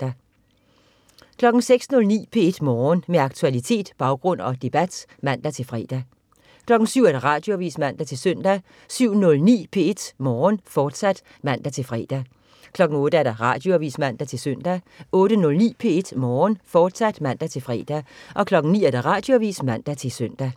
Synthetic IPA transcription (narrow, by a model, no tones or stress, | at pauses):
d̥æ | kʰlɒ̽ɡ̥ŋ̩seɡ̥snɔ̽lnḭːpʰee̝d̥mɒːnmeɑ̈ɡ̥̚t͡sʰuælit͡sʰe̝̰ːd̥b̥ɑ̈ʊɡ̥ʁɔ̽n̰ɒ̽d̥e̝b̥æd̥mæn̰d̥æt͡sʰe̝lfʁɛ̰d̥æ | kʰlɒ̽ɡ̥n̩syʊ̰æɐd̥ɑ̈ʁɑ̈ːd̥jo̝æʋḭːsmæn̰d̥æt͡sʰe̝lsœn̰d̥æ | syʊ̰nɔ̽lnḭːpʰe̝e̝d̥mɒːnfɒːd̥sæd̥ | mæn̰d̥æt͡sʰe̝lfʁɛ̰ːd̥æ | kʰlɒ̽ɡ̥ŋ̩ɔ̽ːɾ̥əæɐɾ̥ɑ̈ʁɑ̰̈d̥jo̝æʋḭːsmæn̰d̥æt͡sʰe̝lsøn̰d̥æ | ɔ̽ːɾ̥ənɔ̽lnḭːpʰe̝e̝d̥mɒːnfɒːd̥sæd̥mæn̰d̥æt͡sʰe̝lfʁɛ̰ːd̥æʔɒ̽kʰlɒ̽ɡ̥n̩nḭːæɐd̥ɑʁɑ̈ːd̥jo̝æʋḭːsmæn̰d̥æt͡sʰe̝søn̰d̥æ